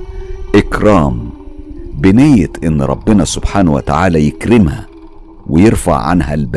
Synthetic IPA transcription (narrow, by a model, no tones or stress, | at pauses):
ʔɪkɾˤɑːm | bɪnɪjːɪt̪ʔɪnːɾˤɑ̰bːɪnæsʊb̥ħaːnwæ̰t̪aʕaːlæjɪkɾɪmhæ̰ | wɪjeɾfa̰ʕːa̰nɦæ̰lbæ